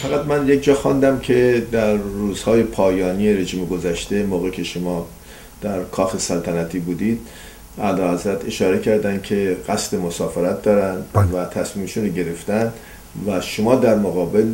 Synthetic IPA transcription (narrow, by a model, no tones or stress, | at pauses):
fæɣæt̪mænjekd͡ʒɒːxɒnd̪æmcʰe̞d̪æɾːuːz̥hɒːje̞pʰɒːjɒːnije̞ɾe̞ʒiːmeɡo̞zæʃt̪e̞moːɣecʰe̞ʃomɒː | d̪̥æɾkʰɒːxe̞sælt̪ʰænæt̪ʰiːbuːd̪iːd̪̥̚ | ʔælɒːhæzɾæt̪ʰe̞ʃɒːɾe̞cʰæɾd̪æncʲʰe̞ɣ̥æsd̪e̞mosɒːfeɾæt̪̚d̪ɒːɾænd̪væt̪ʰæsmiːmʃunɾoɟe̞ɾe̞ft̪æn | væʃomɒːd̪æɾmoɣɒːbe̞l